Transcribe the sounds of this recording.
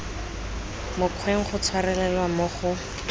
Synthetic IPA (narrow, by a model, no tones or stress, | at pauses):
mʊkʰweŋ̩χʊt͡sʰwarɛlɛlwamʊχʊ